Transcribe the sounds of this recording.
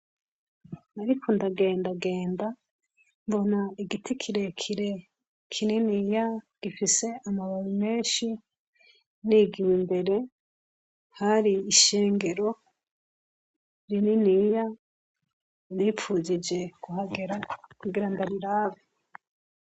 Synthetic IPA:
aɾikʰondaɡe̞ːndaɡe̞ːnda | mbo̞naiɡitʰikʰiɾe̞kʰiɾe | kʰininijaɡ̥ifise̞ʔamaβaɾime̞ːnʃi | niɡiwimbe̞ɾe̞ | haɾiːʃe̞ːŋɡe̞ɾo̞ | ɾininija | nifuzid͡ʒe̞kuɦaɡeɾakuɡiɾandaɾiɾaːβe

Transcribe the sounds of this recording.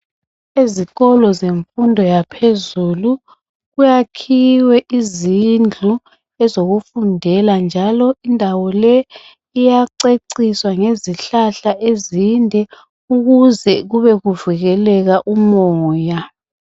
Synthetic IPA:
eziɣɔlɔzeɱfundʱɔjapʰezulu | ɣujakʰiwɛʔizind͡ɮʱu | ɛzoɣufundʱɛland͡ʒʱalɔindʱawɔlɛ | ijaǀeǀiswaŋeziɬaɬaʔezindʱɛ | uɣuzɛɣuβɛɣuviɣɛlɛɣaʔumɔːja

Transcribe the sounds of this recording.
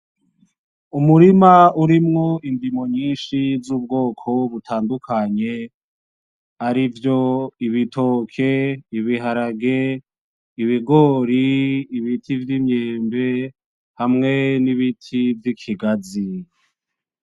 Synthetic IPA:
umuɾimauɾimŋoindimo̞ɲiːnʃizuːb̚ɡo̞ːkʰo̞βutʰaːndukʰaɲe̞ | aɾivjo̞iβitʰo̞kʰeiβiɦaɾaɡe | iβiɡo̞ːɾiːβitʰivjimɲeːmbe | hamŋe̞niβitʰivjikʰiɡazi

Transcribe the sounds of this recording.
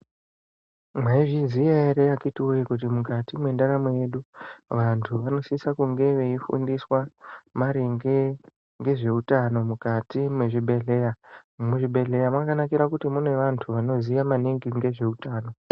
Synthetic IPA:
mwaiʐizijaeɾejakitiujikut̬imukatimwe̞ndaɾamoje̞ɗuʋantʰuʋano̞sisakuŋɡe̞ʋe̞ifṵndiswamaɾeŋɡe | ŋɡe̞ʐe̞utano̞mukatimwe̞ʐiɓʱe̞ɮe̞jamuʐiɓʱe̞ɮe̞jamwakanakiɾakutimune̞ʋantʰuʋano̞ziamaniŋɡiŋɡe̞ʐe̞utaːno̞

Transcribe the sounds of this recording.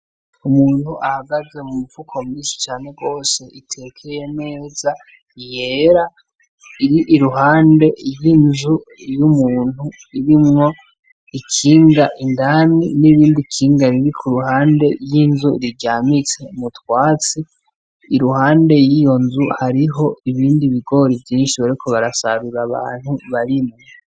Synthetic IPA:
umuːn̥huʔahaɡaze̞mumuvukʰo̞mŋiːnsi̥t͡ʃaːne̞ɡo̞ːse̞itʰe̞kʰejene̞ːza | je̞ːɾa | iɾiʔiɾuɦaːnde̞jinzu | jumuːn̥u | iɾimŋo̞ | ikʰiːŋɡaʔindaniniβiːndikʰiːŋɡaɾiɾikʰuɾuɦaːnde̞jinzuiɾiɟaːmit͡se̞mutwaːt͡siː | ɾuhaːnde̞jijo̞nzuhaɾiɦo̞iβiːndiβiɡo̞ɾivjiːnʃiβaɾikʰo̞βaɾasaɾuɾaβa̰ːn̥huβaɾimŋo

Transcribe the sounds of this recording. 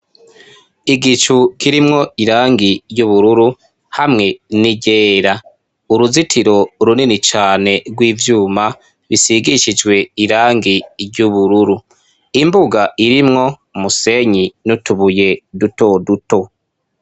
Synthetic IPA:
iɡit͡ʃukiɾimŋo̞iɾaːŋɡiɾjuβuɾuɾu | hamŋe̞niɟeːɾa | uɾuzitʰiɾo̞ɾuninit͡ʃaːne̞ɾɡwiːvjuːma | βisiɡiʃid͡ʒwe̞iɾaːŋɡiɾɟuβuɾuɾu | imbuɡaʔiɾimŋo̞ | muse̞ɲinutuβuje̞duto̞duto̞

